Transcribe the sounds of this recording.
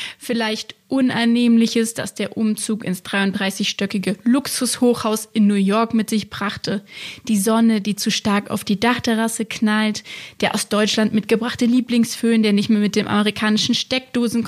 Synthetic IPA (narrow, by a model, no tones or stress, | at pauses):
fɪlaɪçtʔʊnʔanːeːmlɪçəsd̥a̰sd̥eːɐʔʊmt͡suːkɪ̰nsd̥ʁaɪʊntd̥ʁaɪsɪçʃtœkɪɡəlʊksʊshoːχhaʊsʔɪnːuːjɔɐkmɪtz̥ɪçb̥ʁaχtʰəd̥iːzɔnədiːt͡suʃtaɐka̰ʊfd̥iːdaχtʰɛʁasəkʰnaltd̥eːɐʔa̰ʊsd̥ɔʏt͡ʃlantmɪtɡ̥əbʁaχtəliːplɪŋsføːndeːɐnɪçtmeːɐmɪt̚d̥eːmʔa̰məʁikʰaːnɪʃn̩ʃtɛk̚d̥oːzn̩